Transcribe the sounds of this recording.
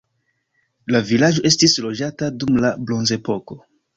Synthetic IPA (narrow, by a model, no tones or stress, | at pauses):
lavilad͡ʒo̞ʔe̞stislo̞d͡ʒatadumlablo̞nze̞po̞ko̞